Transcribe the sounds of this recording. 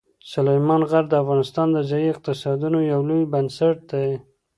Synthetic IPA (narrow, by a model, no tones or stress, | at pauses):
sʊlajmɑnɣaɾd̪əafɣɑnɪst̪ɑnd̪əzaiɪq̚t̪ɪsɑd̪unojawlojbansaʈ̚d̪aj